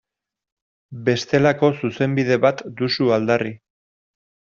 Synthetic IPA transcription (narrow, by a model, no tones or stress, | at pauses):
be̞st̪e̞lako̞suse̞mbiðe̞βat̪d̪usuald̪ari